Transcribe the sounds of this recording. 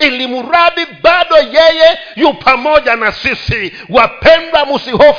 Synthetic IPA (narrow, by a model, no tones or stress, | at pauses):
ilimuɾaɓibaɗɔjɛjɛ | jupʰamɔʄanasisi | wapʰɛndwamusiɦɔf